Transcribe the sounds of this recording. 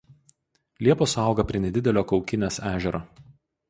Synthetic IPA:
lʲiɛpoːsɐˑʊɡɐpʲɾʲiɛnʲɛd̪ʲɪd̪ʲɛlʲoːkɒʊkʲɪnʲeːsæːʒʲɛɾoː

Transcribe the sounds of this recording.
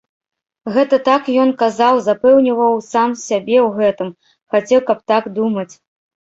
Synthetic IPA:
ɣɛt̪ɐt̪akjɔnkazawzapɛwnʲivɐwsamsʲabʲɛwɣɛt̪ɨm | xat͡sʲɛwkɐp̚t̪aɡd̪umɐt͡sʲ

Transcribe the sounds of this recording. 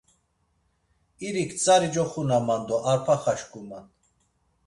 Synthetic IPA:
iɾikʰt͡sʼaɾid͡ʒɔχunamand̪ɔʔaɾpʰaχaʃkʼuman

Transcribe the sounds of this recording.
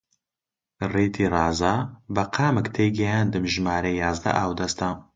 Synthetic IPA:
reːt̪ʰiːrɑːzaːbɐqʰaːmɨkt̪ʰeːɡɐjaːnd̪ɨmʒmaːɾejaːzd̪ɐ̰ʔaːwd̪ɐst̪a

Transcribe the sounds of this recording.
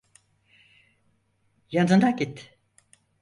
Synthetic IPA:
jad̪ɯnd̪akit̪ː

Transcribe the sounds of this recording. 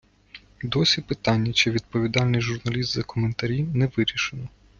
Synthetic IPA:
d̪ɔsʲipɪt̪ɑnʲːɐt͡ʃɪʋʲid̪̚pɔʋʲid̪ɑlʲnɪjʒʊrnɐlʲist̪zɐkɔment̪ɐɾʲinɛʋɪɾʲiʃɪnɔ

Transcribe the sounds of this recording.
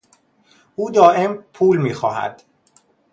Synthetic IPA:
ʔuːd̪ɒːʔe̞mpʰuːlmiːxɒ̰ːhæ̰d̪̥

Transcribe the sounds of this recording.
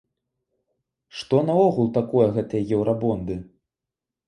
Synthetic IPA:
ʂt̪ɔnɐɔɣulˠt̪akɔjɐɣɛt̪ɨjɐjɛwɾabɔnd̪ɨ

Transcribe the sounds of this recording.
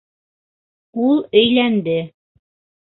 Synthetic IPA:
ulˠɵ̆jlænd̪ɘ

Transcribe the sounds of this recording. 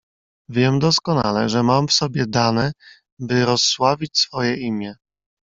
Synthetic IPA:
vʲjɛmd̪ɔskɔna̰lɛ̰ʐɛmamfsɔbʲjɛd̪anɛ | bɘɾɔsːwavʲit͡ɕsfɔjɛʔimʲjɛ

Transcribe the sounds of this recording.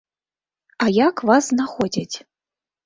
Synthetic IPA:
ajakvasnaxɔd͡zʲat͡sʲ

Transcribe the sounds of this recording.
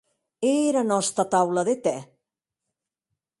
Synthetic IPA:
eɾanɔst̪at̪awlaðet̪ɛ

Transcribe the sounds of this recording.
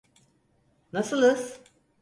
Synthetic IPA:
nasɯlˠɯs

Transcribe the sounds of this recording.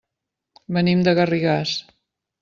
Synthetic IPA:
bənimd̪əɣəriɣas

